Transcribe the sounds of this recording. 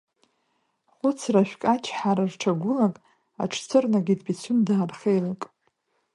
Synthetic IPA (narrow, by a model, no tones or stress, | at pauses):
χʷʊt͡sʰraʃʷᶣkʼat͡ʃʰħaɾarʈ͡ʂʰaɡʷʊlakʼ | a̰ʈ͡ʂʰt͡sʰɨrnaɡʲidbit͡sʷʰʊmdaːrχejlakʼ